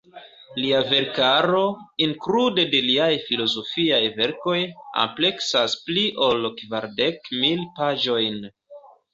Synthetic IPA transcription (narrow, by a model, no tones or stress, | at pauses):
liave̞ɾkaɾo̞iŋkɾude̞de̞liajfilo̞zo̞fiajve̞ɾko̞ja̰mple̞ksaspliʔo̞lkvaɾde̞kmilpaʒo̞jn